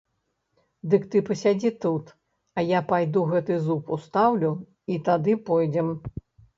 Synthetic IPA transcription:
d̪ɨkt̪ɨpɐsʲad͡zʲit̪ut̪ | ɐjapajd̪uɣɛt̪ɨzupust̪awlʲu | it̪ad̪ɨpɔjd͡zʲɛm

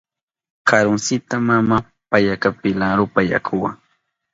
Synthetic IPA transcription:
kʰaɾʊnsɪt̪amama | paʎakapɪlaɾʊpaja̰kʰʊwa̰ŋ

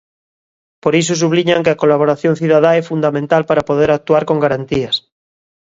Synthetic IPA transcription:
poɾis̬os̬uβliɲaŋkeakolaβoɾaθjon̟θiðað̞aefund̪amẽnt̪alpaɾapoð̞eɾak̚t̪uaɾkoŋɡaɾant̪ias

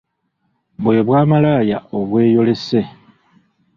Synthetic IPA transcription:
βwe̞βwaːmalaːjao̞βwe̞ːjo̞le̞se̞

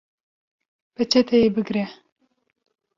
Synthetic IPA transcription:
pɛt͡ʃʰɛt̪ʰɛjebɨɡɾɛ

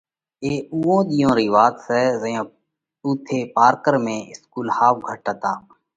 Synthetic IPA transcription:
eːuːõːɗ̪ijõːɾiːʋaːt̪sɛːzəjõː | uːt̪ʰeːpaːɾkəɾmẽːɪskuːlhaːʋɡʱəʈət̪aː

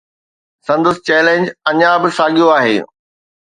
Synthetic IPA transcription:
sɐ̃nd̪əsɪt͡ɕɛːlẽːɲd͡ʑɐɲabɪsaːɡijoaːɦḛː

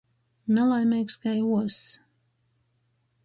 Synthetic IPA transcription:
nalˠajmʲɛjkskajuɔs

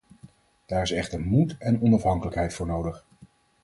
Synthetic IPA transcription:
d̥aːɹɪsɛχtəɹmutɛnɔnɑfɦɑŋkələkɦɛjtfʊːɹnowdəχ

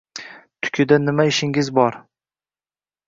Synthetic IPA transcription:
t̪ʰʊ̥kʲʰɪd̪anɪmaɪʃɪŋɪzbɒɾ

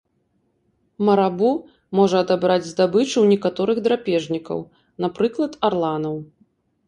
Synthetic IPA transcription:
mɐɾabu | mɔʐɐːd̪abɾad͡zʲzd̪abɨt͡ʂɨwnʲɛkat̪ɔɾɨɣd̪ɾapʲɛʐnʲikɐ̰w | napɾɨklˠɐt̪arlˠanɐw

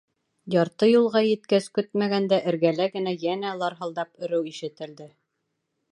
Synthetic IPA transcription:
jɑɾt̪ɤjulˠʁɑjɘ̆t̪kæskɵt̪mæɡænd̪æʔɘ̆ɾɡælæɡɘ̆næjænælˠɑɾɦɤ̆lˠd̪ɑpɵ̆ɾɘwiʃɘ̆t̪ɘ̆ld̪ɘ

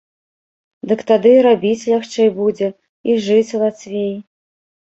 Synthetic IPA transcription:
d̪ɨkt̪ad̪ɨɾabʲit͡sʲlʲaxt͡ʂɛjbud͡zʲɛ | iʐɨt͡sʲulˠat̪svʲej

